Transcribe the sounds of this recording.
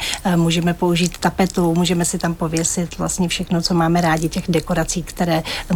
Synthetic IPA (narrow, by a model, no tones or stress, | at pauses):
muːʒɛmɛpo̞uʒiːt̪ːapɛt̪umuːʒɛmɛsɪt̪ampo̞vjɛsɪt̪vla̰stɲɛfʃɛxno̞t͡so̞maːmɛɾaːɟɪcɛɣdɛko̞ɾat͡siːkt̪ɛɾɛː